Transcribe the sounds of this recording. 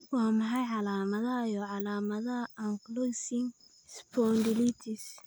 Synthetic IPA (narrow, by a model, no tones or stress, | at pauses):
wɑːmɑħɑjʕɑlaːmɐðɐɐjɔʕɑlaːmɐðɐʔɐŋklɔsɪŋ | spʰɔnd̪ɪlit̪ʰɪs